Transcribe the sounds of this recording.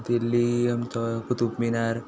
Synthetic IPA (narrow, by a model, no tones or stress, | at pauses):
t̪ilːiəmt͡ʃɔkut̪upminaɾ